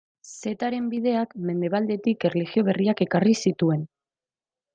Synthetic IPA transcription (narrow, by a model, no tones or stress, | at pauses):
se̞t̪aɾe̞mbið̞e̞akme̞nd̪e̞β̞ald̪e̞t̪ikerlixio̞β̞e̞riake̞karisit̪ue̞n